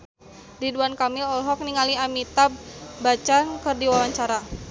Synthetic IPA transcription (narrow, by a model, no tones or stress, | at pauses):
diduankamɪlɔlɦɔk̚niŋaliamit̪ab̚bat͡ʃankərdiwawaɲt͡ʃaɾa